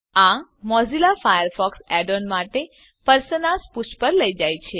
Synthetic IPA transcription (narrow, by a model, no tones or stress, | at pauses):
ãmɔzilafajəɾfɔksɛɖonmaʈe | pəɾsənasput͡ʃʰpəɾləid͡ʒajt͡ʃʰe